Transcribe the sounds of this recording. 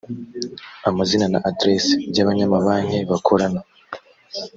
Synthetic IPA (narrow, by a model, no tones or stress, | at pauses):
amazinana̰ʔadɾesibɟaβaɲamaβaːɲheβakʰo̞ɾana